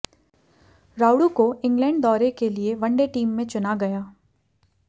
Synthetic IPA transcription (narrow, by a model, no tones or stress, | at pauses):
ɾaːʊɽukoɪ̃ŋɡlɛ̃ːɳɖd̪ɔːɾekelieʋɐ̃ɳɖeʈiːmːẽt͡ʃʊnaɡɐjaː